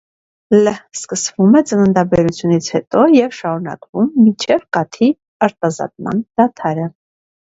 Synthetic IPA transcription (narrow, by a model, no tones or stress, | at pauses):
ləskəsvumɛt͡sənənd̪ɑbɛɾut͡sʰjunit͡sʰhɛt̪ɔjɛvʃɑɾun̪ɑ̰kvumːint͡ʃʰɛvkɑt̪ʰi | ɑɾt̪ɑzɑ̰t̪̚mɑ̰nd̪̥ɑt̪ʰɑɾə